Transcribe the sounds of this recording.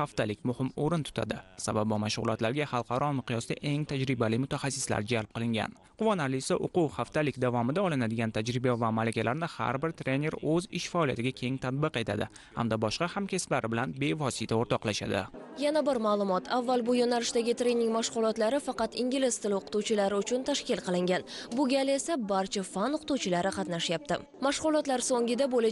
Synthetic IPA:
haft̪alɪkʲmʊhɪmoɾɪnt̪ʰʊ̥t̪ʰa̰d̪ɪsabab̚bɒmaʃʁʊlˠɒt̪laɾɡʲahɑlˠqʰɑɾɒmɪqʰijɒsd̪a̰ʔe̞ŋt̪ʰad͡ʒɾɪbalɪmʊt̪ʰaχasːɪ̥sla̰ɾd͡ʒalp̚qɨlɪŋɡʲa̰n | qʰʊvɒnaɾlɪsaʔoquwhaft̪ʰalɪkʲd̪avɒmɪd̪aɒlɪnad̪ɪɡʲant̪ʰad͡ʒɾɪbavamalakʲalaɾnɪha̰ɾbɪɾt̪ʰɾe̞ne̞ɾɵzɪʃfaɒːlˠija̰t̪ɪɡʲakʲʰe̞ŋt̪ʰat̪̚bɨqe̞t̪ʰad̪ɪ | ha̰md̪abɒʃqɑhamkʲesɪ̥plaɾɪbɪlanbe̞vɒsɪt̪ʰaoɾt̪ʰɒqlˠaʃa̰d̪ɪ̰janabɪɾmaːlˠʊmɒt̪ʰavːalˠbʊjonalɪʃd̪aɡʲɪt̪ɾe̞nɪŋmaʃʁʊlˠɒt̪laɾɪfɑqɑt̪ɪŋɡʲɪlɪst̪ʰɪlɪoqʊ̥t̪uwt͡ʃʰɪlaɾɪʊt͡ʃʰʊnt̪ʰaʃkʲɪlqʰɨlˠɪŋɡʲanbʊɡʲale̞sabaɾt͡ʃʰafanʊqʰʊ̥t̪uwt͡ʃʰɪlaɾɪqʰɑt̪naʃjap̚t̪ɪ̰ | maʃʁʊlˠɒt̪laɾsoŋʲɪd̪abolɪ

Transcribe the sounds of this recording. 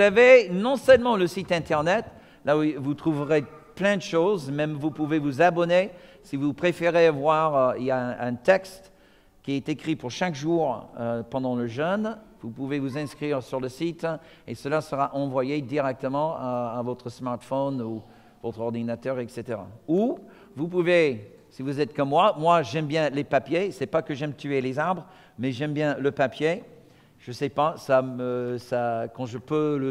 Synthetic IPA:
zavenɔ̃sœlmɑ̃ləsit̪ɛ̃t̪ɛʁnɛt̪ | lavut̪χuvəʁeplɛ̃d̪əʃozmɛmvupuvevuzabɔne | sivupχefeʁevwaʁiljaɛ̃ʔɛ̃t̪ɛkst̪ | kʲiɛt̪ekχipuʁʃakʒuːʁøpɑ̃d̪ɑ̃ləʒœnvupuvevuzɛ̃skχiʁsyʁləsit̪esəlasəʁaʔɑ̃vwajed̪iʁɛk̚t̪əmɑ̃aːvɔt̪χəsmaʁt̪fɔnu | vɔt̪χɔʁd̪inat̪œʁɛkset̪eʁa̰u | vup̬uve | sivuzɛt̪kɔmːmwamwaʒɛmbjɛ̃lepapjesɛpakəʒɛmt̪yelezaʁbʁ | mɛʒɛmbjɛ̃ləpapje | ʒ̥əsɛpasaməsakɑ̃ʒəpølə

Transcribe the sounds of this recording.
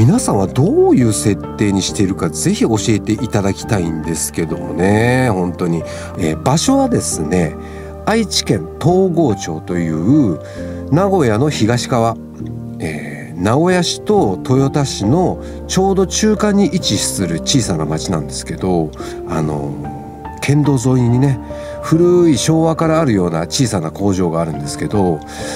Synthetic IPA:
mʲinasãɰ̃βad̪o̞ːjɯ̟ːse̞t̪ːe̞ːɲ̟iɕi̥t̪e̞ɾɯ̟kaze̞çio̞ɕie̞t̪e̞ʔit̪ad̪akʲi̥t̪aĩnd̪e̞sɨ̥ke̞d̪o̞̰mo̞̰ne̞hõ̞nt̪o̞ɲ̟i | eːbaɕo̞βad̪e̞sɨne̞ | ait͡ɕi̥kẽ̞nt̪o̞ːɡo̞ːt͡ɕo̞ːt̪o̞jɯ̟ːɯ̟ | naɡo̞jano̞çiɡaɕi̥kaβa | ḛː | nao̞jaɕi̥t̪o̞t̪o̞jo̞t̪aɕino̞ | t͡ɕo̞ːd̪o̞t͡ɕɨːkãɲ̟ːiʔit͡ɕiɕi̥sɨɾɯ̟t͡ɕiːsanamat͡ɕinãnd̪e̞sɨ̥ke̞d̪o̞ | a̰no̞̰ | kʰẽ̞nd̪o̞ːzo̞ːiɲiɲ̟ine̞ | ɸɯ̟ɾɯ̟iɕo̞ːβakaɾaːɾɯ̟jo̞ːna̰t͡ɕiːsanako̞ːʑo̞ːɡaːɾɯ̟̃nd̪e̞sɨ̥ke̞d̪o̞

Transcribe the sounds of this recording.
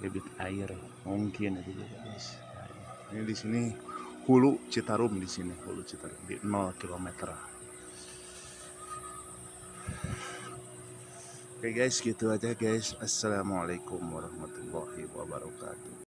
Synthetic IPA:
lebɪt̪aɪr | muŋkɪnit̪uɡa̰ɡaɪs | ja̰ | nidisinihulut͡ʃit̪aɾʊmdisinihṵlut͡ʃit̪aɾʊ̰mdḭnɔlkilomɛt̪r | kajɡaɪsɡit̪uad͡ʒaɡaɪsasːalamalakʊmwaɾɑhmat̪ulːahiwa̰ba̰ɾɑka̰t̪u

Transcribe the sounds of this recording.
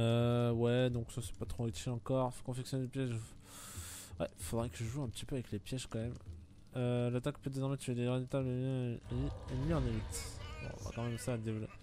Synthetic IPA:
øwɛd̪ɔ̃ksasɛ̥pat̪χoet̪eɑ̃kɔʁfo̥kɔ̃fɛksjɔnelpjɛʒ | wɛ̰ilfod̪ʁɛkəʒəʒuɛ̃pə̥t̪ipøavɛklepjɛʒkɑ̃mɛm | ølat̪akpød̪ezɔʁmet̪yed̪eʁid̪it̪ablə | eniɑ̃nemit̪bɔ̰̃ʁa̰kɑ̃mɛmsaːd̪evlɔp

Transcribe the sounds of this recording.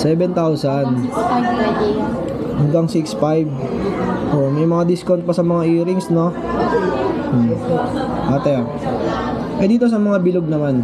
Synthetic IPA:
sɛːbɛnt̪awsan | ɐŋɡ̪ɐŋsɪksfajb | ʔoʔmɐjmɐŋad̪ɪskont̪̚pɐsɐmɐŋaʔiːɾɪŋsno | ʔaːt̪ɛa | ʔɐd̪iːt̪os̬ɐmɐŋabɪloɡ̚nɐman

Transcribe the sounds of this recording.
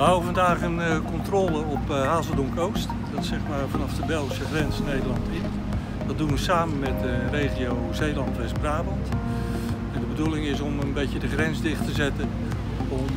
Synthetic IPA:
əɦawəvɑndaːχənkɔntroːlˠəɔphaːzədɔŋkowst | d̥ɑtsɛχmaːrvɑnɑfdəbɛlˠχisəχrɛnsnejdəlˠɑntɪn | dɑdunʋəsaːmənmɛtərejχiowzejlɑntʋɛsbraːbɑnt | ɛndəbədulɪŋɪs̬ɔmənbejtədəχrɛnzdɪχtəzɛtən | ɔm

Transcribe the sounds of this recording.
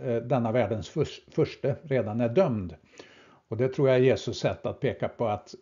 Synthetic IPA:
d̪ɛnːavæːɖənsfʂfœʂʈəɾeːd̪anæɖœmd̪ | ɔd̪ɛt̪ʰɾuːɾjajeːsɵsɛt̪ːat̪̚pʰeːkapʰɔat̪

